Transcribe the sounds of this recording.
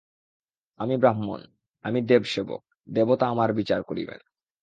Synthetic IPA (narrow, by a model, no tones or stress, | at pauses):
amibɾaɦmo̰n | amid̪ebʃebo̰k̚ | d̪ebot̪aamaɾbit͡ɕaɾkoɾḭbḛn